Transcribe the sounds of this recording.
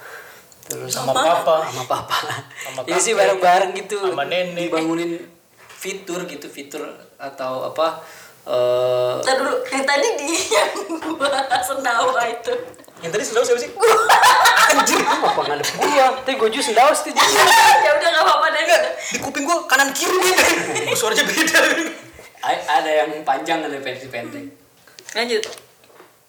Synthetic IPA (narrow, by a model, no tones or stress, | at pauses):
t̪əɾʊ̰samaapaamapapaaamakaisɪhbaɾəŋbaɾəŋɡit̪uamanɛnɛbaŋunɪn | fit̪ʊrɡit̪ufit̪ʊrat̪awa̰pa | ʔət̪ədudʊkɾet̪aɲidijamɡuasənawait̪u | jaŋt̪adisəndaʊsabis̬ɪ | kand͡ʒiiupakaŋadəɡujat̪apiɡwad͡ʒusəndaʊst̪ud͡ʒd͡ʒadaŋawapadaɡadikupɪŋɡuakanankiɾuiasuaɾad͡ʒabeda | aadajaŋpaɲd͡ʒaŋdalapɛnipɛnt̪ɛŋ | ad͡ʒut̪